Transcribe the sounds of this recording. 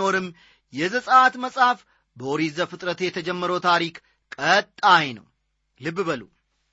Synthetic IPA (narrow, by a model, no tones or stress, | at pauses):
o̞ɾɨm | jɛzəsʼəat̪məsʼaf | bəoɾizəfɨt̪ʼɾət̪jɛt̪ʰəd͡ʒɛmːəɾəwt̪ʰaɾik | kʼət̪ʼːajnə̰w | lɨbbəlṵ